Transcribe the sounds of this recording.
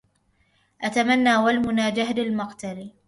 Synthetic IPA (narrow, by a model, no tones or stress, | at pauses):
ʔat̪amanːaːwalmʊnaːd͡ʒaɦlɪlmaqt̪aliː